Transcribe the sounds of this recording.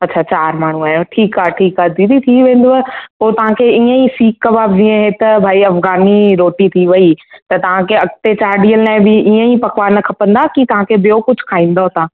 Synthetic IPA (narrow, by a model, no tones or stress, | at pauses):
ɐtːɕʰat͡ɕaːɾmaːɳ̤ũaːjõʈʰiːkaʈʰiːkad̪iːd̪it̪ʰiʋẽːn̆d̪oɐpoːt̪ɐʋ̤ãkʰeiːə̃isiːkːɐbaːb̚d͡ʑiːẽɦet̪ɐbʱaːiɐfɡaːniɾoːʈit̪ʰiʋɐit̪ɐt̪ɐʋ̤ãkʰeɐk̚t̪et͡ɕaːɾɖijəlnãbɪʔiə̃ipɐkʋaːɾnɐkʰɐpə̃nd̪akit̪ɐʋ̤ãkʰebɪjokʊd͡ʑʱkʰaːĩːn̆d̪oɦt̪ãː